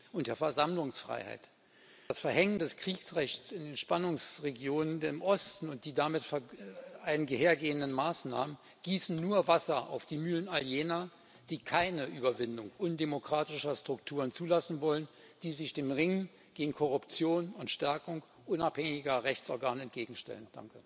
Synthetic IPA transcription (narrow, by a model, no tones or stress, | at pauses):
ʔʊntd̥eːɐfɛɐzamlʊŋsfʁ̥a̰ɪha̰ɪt | asfɛɐhɛŋəndɛskʁ̥iːksʁɛçtt͡sɪndeːnʃpanʊŋsʁeɡjoːnənmʔɔstn̩ʊnt̚d̥iːdamɪtfɛʔaɪnənɡəheːɐɡeːəndənmaːsnaːmən | ɡ̥iːsn̩nuːɐvasɐʔa̰ʊfd̥iːmyːlənaljeːnɐ | d̥iːkʰaɪnəʔyːbɐvɪndʊŋʔʊndemokʁ̥aːtɪʃɐstʁ̥ʊktʰuːʁənt͡suːlasn̩vɔlən | d̥iːzɪçd̥eːmʁɪŋə | ɡ̥eːɡŋ̩kʰɔʁʊpt͡sjoːnʊntʃtɛɐkʊŋk | ʔʊnaphɛŋɪɡɐʁɛçt͡sɔɐɡaːnəɛntɡ̥eːɡŋ̩ʃtɛ̰lənd̥a̰ŋkə